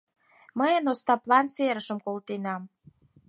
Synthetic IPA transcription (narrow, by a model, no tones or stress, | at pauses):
məjənost̪ɑplɑnseɾəʃəmkolt̪enɑm